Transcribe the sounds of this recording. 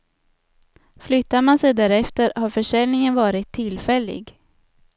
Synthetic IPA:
flʏt̪ːaɾmansɛjd̪æːɾɛft̪əɾhaɾfœʂɛlnɪŋənvɑːɾɪt̪ʰːɪlːfɛlːɪ̰ɡ

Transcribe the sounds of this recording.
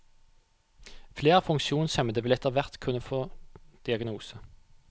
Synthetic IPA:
fleːʁɑfʉŋkʃuːnsɛməd̪əːʋɛlɛt̪əʁʋæʁt̪kʰʉnəfoːd̪̥ɪɑɡnuːsə

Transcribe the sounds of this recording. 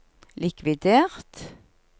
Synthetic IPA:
lɪkʋɪd̪eːʁt̪

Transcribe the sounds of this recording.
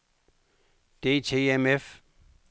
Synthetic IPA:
d̥e̝̰ːt͡sʰe̝emef

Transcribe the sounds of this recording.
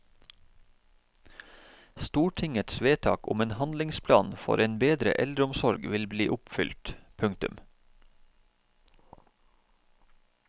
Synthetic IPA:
st̪uːʈʰɪŋət̪sʋeːt̪ʰɑ̰ːkʊ̰meːnhɑnlɪŋspʰlɑ̰ːnfɔ̰ɾʔeːnbeːd̪ɾə̰ʔɛld̪ɾəʊmsɔɾɡʋɪlbliːʔʊpfʏlt̪pʰʉŋt̪ʉ̰m

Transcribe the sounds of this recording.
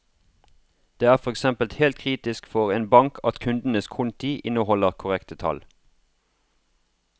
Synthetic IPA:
d̪̥eːæːʁfɔʁɛksɛmpəlt̪heːlt̪̚kʰʁiːt̪ɪskfɔʁeːnbɑŋkʰɑt̪kʰʉnd̪n̩əskʰʊnt̪ʰiʔɪ̰nəhɔləʁkʰʊʁɛkt̪ət̪ʰɑ̰l

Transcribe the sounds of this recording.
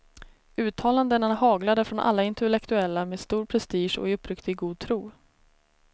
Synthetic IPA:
ʉ̟ːt̪ʰɑːland̪ənaɦɑːɡlad̪əfɾɔnʔa̰lːaɪnt̪ɛlɛkt̪ɵɛlːameːd̪st̪uːɾpʰɾɛst̪iːʂɔ̰ɵpːɾʏkt̪ɪɡuːd̪̚t̪ʰɾuː

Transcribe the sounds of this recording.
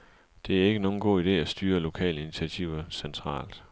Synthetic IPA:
d̥e̝æɐe̝ɡ̥əno̝ːn̩ɡ̥o̝̰ːid̥e̝̰ːæsd̥yːɐlo̝kʰɛ̰ːləinit͡sʰiæt͡sʰiʊ̰ɐsent͡sʰʁɑ̰̈ːld̥

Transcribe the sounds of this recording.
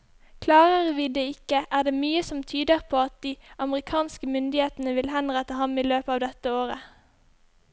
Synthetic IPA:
kʰlɑːʁəʁʋiːd̪eːɪkəʔæːʁd̪eːmyːəsɔmt̪ʰyːd̪əʁpʰoːɑt̪̚d̪iːʔɑməʁɪkʰɑːnskəmʏnd̪ɪheːt̪n̩əʋɪlhɛnʁɛt̪əhɑmiːløːpəɑːʋd̪ɛt̪ːəoːʁə

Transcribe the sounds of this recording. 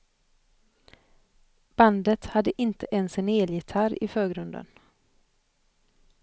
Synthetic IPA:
b̥and̪ət̪had̪ːəʔɪnt̪əʔɛnsɛneːljɛt̪ʰaɾɪ̰føːɾɡɾɵnd̪ə̰n

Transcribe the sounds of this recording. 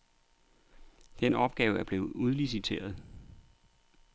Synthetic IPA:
d̥enɒ̽b̥̚ɡ̥ɛːʊæɐb̥le̝ːð̩ˠuðˠlis̬it͡sʰe̝̰ːɐð̞ˠ

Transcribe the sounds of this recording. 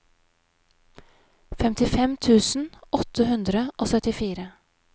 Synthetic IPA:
fɛmt̪ʰɪfɛmt̪ʰʉːsn̩ʔɔt̪ʰəhʉnd̪ɾəʔoːsœt̪ɪfiːɾə

